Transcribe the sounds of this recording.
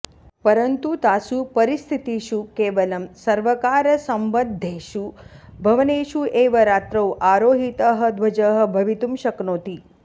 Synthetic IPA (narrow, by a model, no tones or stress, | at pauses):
pəɾənt̪ut̪asupəɾist̪ʰit̪iʃukeʋəlɐmsɐɾʋəkaɾəsəmʋəd̪ʱːeʃubʱɐʋneʃuʔeʋəɾaːt̪ɾəwʔaɾoːɦit̪əɦəd̪ʋɐd͡ʒəɦə̆bʱɐʋit̪umʃəknoːt̪i